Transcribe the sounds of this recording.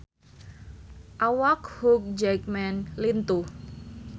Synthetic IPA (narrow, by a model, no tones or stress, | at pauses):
ʔawakhuk̚d͡ʒɛjk̚mɛnlint̪u